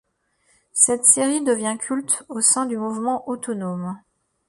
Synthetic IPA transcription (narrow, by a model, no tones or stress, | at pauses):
sɛt̪seʁid̪əvjɛ̃kʲʰylt̪osɛ̃d̪ymuvmɑ̃ʔot̪ɔnom